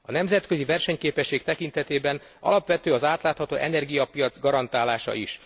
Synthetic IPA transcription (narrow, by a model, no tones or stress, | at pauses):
ɒnɛmzɛt̪køzivɛrʃɛɲkeːpɛʃːeːk̚t̪ɛkint̪ɛt̪eːbɛn | ɒ̰lɒpʋɛt̪øːɒzaːt̪laːt̪hɒt̪oːʔɛnɛrɡijɒpijɒd̪zɡɒɾɒnt̪aːlaːʃɒ̰ʔiʃ